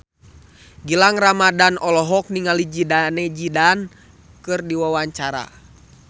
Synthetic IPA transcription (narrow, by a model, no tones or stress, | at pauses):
ɡilaŋramadanɔlɔɦɔk̚niŋalid͡ʒidanɛd͡ʒidan | kɨrdiwawaɲt͡ʃaɾa̰